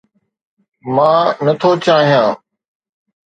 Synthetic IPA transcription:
mãːnət̪ʰoːt͡ʃaːɦijãː

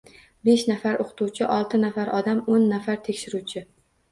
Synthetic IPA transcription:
beʃnafaɾʔoqʰt̪ʰuwt͡ʃʰɪʔɒlˠt̪ʰɪnafaɾɒd̪amonːafaɾt̪ʰekʲʃɪɾut͡ʃʰɪ

